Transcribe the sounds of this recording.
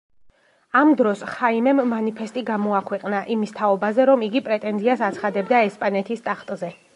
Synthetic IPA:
amd̪ɾɔsχaimɛmːanipʰɛst̪ʼiɡamɔakʰwɛqʼnaʔimist̪ʰaɔbazɛɾɔmiɡipʼɾɛt̪ʼɛnziasat̪sʰχad̪ɛbd̪aɛspʼanɛt̪ʰist̪ʼaχt̪ʼzɛ

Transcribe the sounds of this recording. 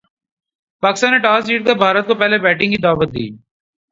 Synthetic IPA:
paːkɪst̪aːnːeʈaːsd͡ʒiːʈ̚k̪ebʱaːɾət̪̚kopɛɦlebɛːʈɪ̃ŋɡkid̪aːʋət̪̚d̪ḭː

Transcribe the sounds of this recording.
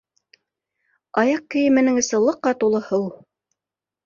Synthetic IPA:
ɑjɑq̚kɘ̆jɘ̆mɘ̆nɘŋɘ̆sɤ̆lˠɤ̆qːɑt̪ulˠɤ̆hɤw

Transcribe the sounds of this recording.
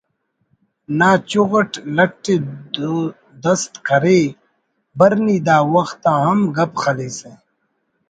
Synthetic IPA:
naːt͡ɕuɣɐʈlɐʈːeː | d̪ɐst̪kʰɐɾeː | bɐɾniːd̪aːwɐxt̪aːɦɐmɡɐpxɐleːseː

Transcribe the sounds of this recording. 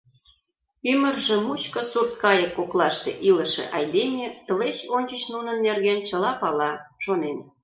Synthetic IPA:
ymərʒĕmut͡ɕkə̆surt̪̚kɑjəkːoklɑʃt̪ḛʔilə̆ʃḛʔɑjd̪enʲet̪ə̆let͡ɕonʲt͡ɕə̆t͡ɕnunənːerɣent͡ɕəlɑpɑlɑʃonen

